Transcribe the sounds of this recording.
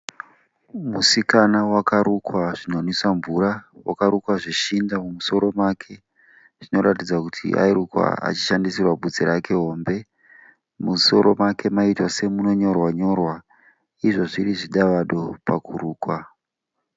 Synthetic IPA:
musikanawakaɾukwaʐinonisaɱvuɾawʔakaɾukwaʐiʃindamumuso̞ɾo̞makʰe̞ | ʐ̥ino̞ɾatid͡zakutʰḭʔa̰iɾukwa̰a̰t͡ʃi̥ʃandisirwaɓud͡ziɾake̞ɦo̞ːmbe̞ | muso̞ɾo̞makʰe̞maitwase̞muno̞ɲo̞rwaɲo̞rwa | iʐo̞ʐiɾiʐiɗaʋaɗo̞pakʰuɾuːkwa

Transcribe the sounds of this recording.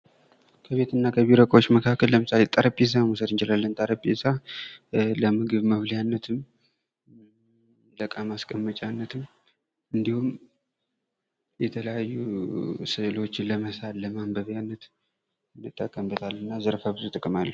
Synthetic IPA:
kʰəβe̞t̪ʰɨnːakʰəβiɾəkʼo̞t͡ʃːməkʰakːəlːəmɨsalet̪ʼaɾəpʼːes̬amusəd̪ɨnd͡ʒɛlalːənt̪ʼaɾəpʼesa | ləmɨɡɨβməβljanːət̪ʰɨm | ləkʼːamaskʼəmːət͡ʃʼanːət̪ʰɨm | ʔɨnd̪ihum | jɛt̪ʰələjajːusɨlo̞t͡ʃːɪnləməsalləmambəβjanːət̪ | nɨt̪ʼːəkʼːəmbət̪ʰalːɨnːazəɾfaβɨzut̪ʼɨkʼmalːə

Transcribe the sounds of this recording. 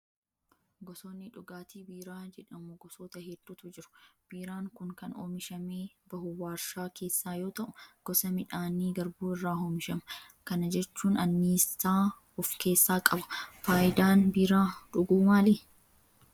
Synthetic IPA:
ɡɔsoːnːɪᶑʊɡaːt̪iːbiːɾaːd͡ʒɛᶑɐmʊɡɔsoːt̪ɐhɛd̪̥ːuːt̪ʊd͡ʒɪɾʊ̥b̥iːɾaːŋkʊŋkɐnoːmɪʃɐmeː | b̥ɐhʊwaːɾʃaːke̞ːsːaːjo̞ːt̪ɐʔʊɡ̥ɔsɐmɪᶑaːniːɡɐɾbuːɪrːaːɦoːmɪʃɐmɐ | kɐnɐd͡ʒɛt͡ʃːuːnɐnːiːst̪aː | ʊfke̞ːsːaːkʼɐbɐ̥faːjd̪aːnbiːɾaːᶑʊɡuːmaːli

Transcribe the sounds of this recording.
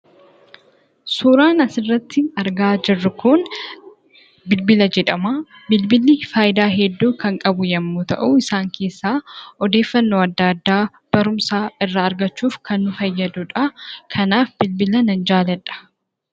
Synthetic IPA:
suːɾaːnɐsɪrːɐt̪ːɪɐɾɡaːd͡ʒɪrːʊkʰʊn | bɪlbɪlɐd͡ʒɛᶑɐmaː | bɪlbɪlifaːʔɪd̪aːɦɛd̪ːuːkɐŋkʼɐbʊjɐmːuːt̪ɐ̰ʔuɪsaːŋkʰe̞ːsːaːɔd̪e̞ːfːɐnːoːɐd̪ːɐd̪ːaː | b̥ɐɾʊmsaːɪrːɐːɾɡɐt͡ʃːuːfkʰɐnːʊfɐjːɐd̪ʊᶑɐkʰɐnaːfbɪlbɪlɐnɐnd͡ʒaːlɛᶑɐ̥

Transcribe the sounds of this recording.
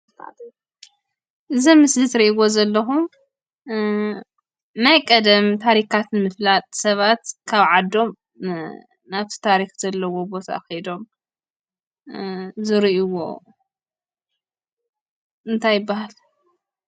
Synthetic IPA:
ʔɨzimɨslɨt̪ɾiʔiwo̞zɐlːɐxum | najkʼɐd̪ɐmt̪ʰaɾikat̪nmɨflat̪ʼsɐβat̪kʰaβʕad̪ːo̞m | naβt̪ʰi̥t̪ʰaɾixzɐlːɐwo̞bo̞t̪ʰa̰xid̪o̞m | zɨɾiʔiwo̞̰ | ʔɨnt̪ʰajːɨbːahal

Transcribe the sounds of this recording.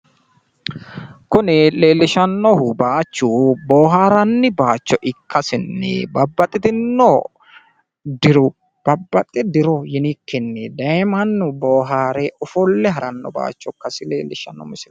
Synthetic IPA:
kʊnɪle̞ːlːɪʃɐnːɔhʊbaːt͡ʃːuːboːɦaːɾɐnːɪbaːt͡ʃːɔʔɪkːɐsɪnːɪ̰bɐbːɐt̪ʼɪt̪ɪnːɔ | d̪ɪɾʊ | b̥ɐbːɐt̪ʼːɪd̪ɪɾɔjɪnɪkːɪnːɪd̪ɐɛmɐnːʊboːɦaːɾɛɔfɔlːɛɦɐɾɐnːɔ̰ba̰ːt͡ʃːɔkːɐsɪlḛːlːɪʃɐnːɔ̰mɪsɪl

